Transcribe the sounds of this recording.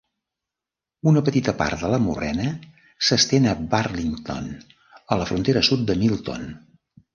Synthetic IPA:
unəpət̪it̪əpa̰rt̪̚d̪ələmurɛ̰nə | səst̪enəbarliŋt̪o̰n | ələfɾunt̪eɾəsut̪̚d̪əmilˠt̪o̰n

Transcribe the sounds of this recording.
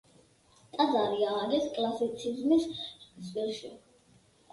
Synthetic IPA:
t̪ʼazaɾiaːɡɛskʼlˠasit̪sʰizmissʼwilˠʃi

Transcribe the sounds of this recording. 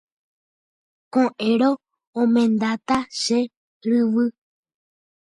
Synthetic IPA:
kõʔẽɾõ | õmẽnd̪at̪aʃe | ɾɨʋɨ

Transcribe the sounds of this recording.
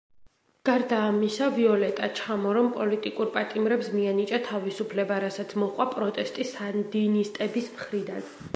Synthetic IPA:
ɡ̥aɾd̪aːmisaviɔlɛt̪ʼat͡ʃʰamɔɾɔmpʼɔlit̪ʼikʼuɾpʼat̪ʼimɾɛpsmianit͡ʃʼat̪ʰavisupʰlɛbaɾasat̪sʰmɔχʼwapʼɾɔt̪ʼɛst̪ʼisand̪inist̪ʼɛbismχɾid̪an

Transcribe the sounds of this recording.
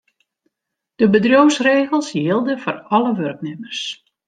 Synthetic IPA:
d̥əbədrjowsreːɣəlˠsjɪlˠdəfɔrɔləʋørknɪmərs

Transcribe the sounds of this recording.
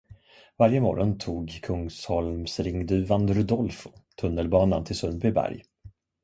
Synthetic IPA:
vaɾjəmɔ̰ɾɔnt̪ʰuːɡkʰɵŋshɔlmsɾɪŋːd̪ʉ̟ːvand̪ɾʊd̪ɔlfʊ̥t̪ʰɵnːəlbɑːnant̪ʰɪlsɵnbʏbæ̰ɾj

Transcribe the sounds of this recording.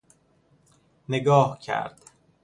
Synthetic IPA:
neɡɒːhcʰæ̰ɾd̪̥

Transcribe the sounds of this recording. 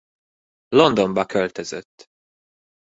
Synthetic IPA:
lo̞nd̪o̞mbɒkølt̪øzøt̪ː

